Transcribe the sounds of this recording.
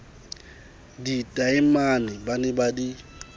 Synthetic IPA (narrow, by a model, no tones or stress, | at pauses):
ditʼaɪmanɪbanɪbadi